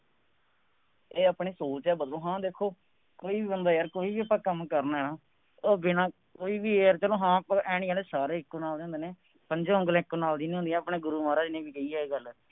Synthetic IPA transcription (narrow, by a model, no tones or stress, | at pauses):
eːaːpɳeːsoːt͡ʃɛːbəd̪lõːɦãːd̪eːkʰoː | koːiːbiːbənd̪aːjaːɾkoːiːbiːəpːãːkəmkəɾnaːɦɛːnãː | oːbɪnãː | koːiːbiːeɾt͡ʃəlõːɦãːpãʔɛːɽĩːaːleːsaːɾeːɪkːoːnaːld̪eːõnd̪eːneː | pəɲd͡ʒõːʊ̃ŋɡəlẽːɪkːonaːld̪iːnĩːɦʊnd̪iɛ̃ːəpɳẽːɡʊɾuːmaːɾaːd͡ʒɪnẽːbiːkəiːɛːeːɡəl